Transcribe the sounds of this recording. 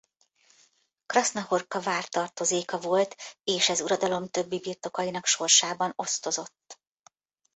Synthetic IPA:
krɒsnɒho̞rkɒvaːrt̪ɒrt̪o̞zeːkɒvo̞lt̪eːʃɛzuɾɒd̪ɒlo̞mt̪ø̞bːibirt̪o̞kɒjinɒkʃo̞rʃaːbɒno̞st̪o̞zo̞t̪ː

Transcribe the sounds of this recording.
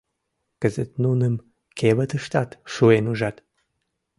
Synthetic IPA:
kəzɨt̪nunɨm | kʰʲeβɐt̪ɨʃt̪at̪ʃuenuʒat̪

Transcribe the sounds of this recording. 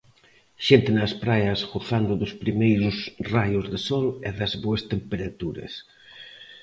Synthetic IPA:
ʃent̪ɪnɐspɾajɐsɣoθand̪ʊðʊspɾimejɾʊsrajʊzðesɔlɛðɐzβoɐst̪empeɾat̪uɾɐ̰s

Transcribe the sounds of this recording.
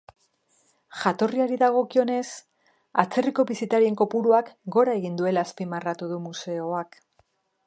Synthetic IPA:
ʝat̪o̞riaɾiðaɣ̞o̞kio̞ne̞s | at͡se̞riko̞βisit̪aɾie̞ŋko̞puɾuakɡo̞ɾae̞ɣind̪ue̞laːspimarat̪uðumuse̞o̞ak

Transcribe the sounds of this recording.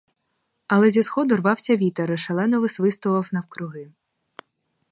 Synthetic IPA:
ɐlˠɛzʲisxɔd̪ɔrʋɑwsʲɐʋʲit̪ɐɾɪʃɐlˠɛnɔʋɪsʋɪst̪ʊʋˠɐwnɐwkɾʊɦɪ

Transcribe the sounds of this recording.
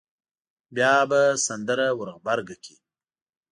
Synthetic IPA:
bjɑbasand̪əɾawəɾɣbaɾɡakʰi

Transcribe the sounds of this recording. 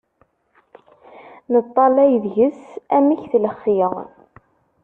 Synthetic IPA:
nət̪ˤːɑlæjðʝəsæmiçθləχːiə

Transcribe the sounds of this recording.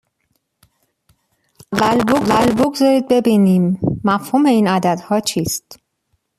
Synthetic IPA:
ʔævælbovælbo̞ɡzɒːɾiːd̪̚be̞biːniːmːæfhuːme̞iːnæd̪æd̪hɒːt͡ʃʰiːst̪

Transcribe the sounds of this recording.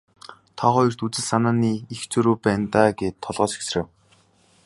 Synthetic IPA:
t̪ʰaχɔjɞ̆r̥t̪ut͡sɘ̆ɮsanaːniːixt͡sʰɵɾuːpæːnt̪aːɡeːt̪ʰːɔɮʁɔːt͡ɕi̥xsrĕːw

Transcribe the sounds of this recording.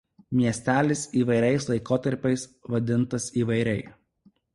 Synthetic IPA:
mʲiɛsʲt̪ʲæːlʲɪsiːʋɐɪɾʲɛɪslˠɐɪkoːt̪ɐɾʲpʲɛɪsʋɐd̪ʲɪnt̪ɐsiːʋɐɪɾʲɛɪ

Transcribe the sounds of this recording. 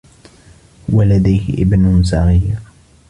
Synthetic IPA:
walad̪ajhɪ̰ʔɪ̰bnʊs̬ɑɣiːɾ

